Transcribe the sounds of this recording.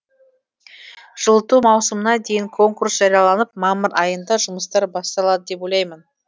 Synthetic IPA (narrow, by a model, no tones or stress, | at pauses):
ʒ̥əlˠət̪umɑwsəmənɑd̪e̞jɪŋkʰo̞ŋkuɾsʒ̥ɑɾijɑlˠɑnəp̚mɑməɾɑjənd̪ɑʒʊməst̪ɑɾbɑst̪ɑlˠɑd̪əd̪e̞po̞jlˠɑjmən